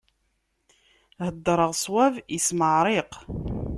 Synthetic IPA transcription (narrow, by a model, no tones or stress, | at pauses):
həd̪ːɾˤəʁsˤwævisməʕɾˤɪq